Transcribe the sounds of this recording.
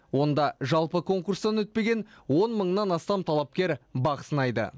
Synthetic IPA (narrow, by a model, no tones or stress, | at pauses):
wo̞nd̪ɑʒɑlˠpəkʰo̞ŋkurst̪ɑnwɵt̪̚pe̞ɡʲe̞nwo̞nməɴnɑnɑst̪ɑmt̪ʰɑlˠɑp̚kʲe̞ɾbɑqə̥sənɑjd̪ə̰